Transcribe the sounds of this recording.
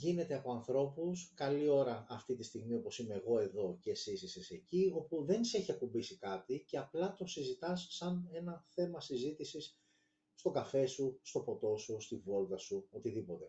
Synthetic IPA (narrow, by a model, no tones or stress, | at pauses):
ʝine̞t̪eɐpo̞ɐnθɾo̞puskɐlio̞ɾɐʔɐft̪it̪ist̪iɣmio̞po̞sime̞ːɣo̞e̞ðo̞cesisisese̞cio̞puðe̞nse̞çiɐkubisikɐt̪ice̞ɐplɐt̪o̞sizit̪ɐsːɐne̞nɐθe̞mɐsizit̪isis | st̪o̞ɡɐfe̞sust̪opo̞t̪o̞sust̪ivo̞lt̪ɐsuo̞t̪iðipo̞t̪e̞